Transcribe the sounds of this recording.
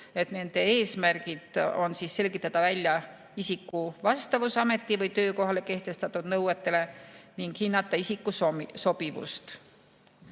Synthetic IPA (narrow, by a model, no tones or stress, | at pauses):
e̞t̪ne̞nd̪̥e̞e̞ːsmærɡid̪̥o̞nsiːsːe̞lʲɡ̥it̪ːˑɑt̪ɑvælʲjɑ | isikːˑuvɑst̪ɑvusɑme̞t̪ˑːivɤjt̪ø̞ːko̞ɦɑle̞ke̞ht̪e̞st̪ɑt̪ːˑud̪̥nɤwet̪ːˑe̞le̞niŋɡ̥hinːɑt̪ːˑɑisikːˑusso̞b̥ivṵst̪